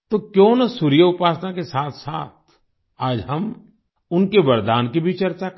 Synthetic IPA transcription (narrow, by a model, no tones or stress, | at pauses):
t̪okjõːnɐsuɾɪjəʊpaːsnakesaːt̪ʰsa̰ːt̪̚ʰ | aːd͡ʒɦɐm | ʊnkeʋɐɾd̪aːnkibʱit͡ʃɐɾt͡ʃak